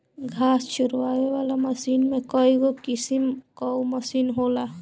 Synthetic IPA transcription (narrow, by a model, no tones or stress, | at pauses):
ɡʱasʃuɾʋabebalaməsinmekɔiɡokisimkɔməsinɦola